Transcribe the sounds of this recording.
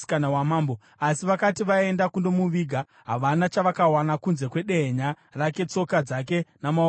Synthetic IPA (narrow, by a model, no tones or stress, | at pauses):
kanawamaːmbo | asiʋakatiʋae̞ndakundo̞muʋiɡʱa | ɦaʋanat͡ʃaʋakawanakunze̞kwe̞ɗeɦɲa | rake̞t͡so̞kad͡zake̞nama